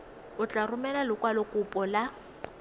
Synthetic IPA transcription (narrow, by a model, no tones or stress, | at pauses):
ʊt͡ɬʼarʊmɛlalʊkʼwalɔkʼʊpʼɔla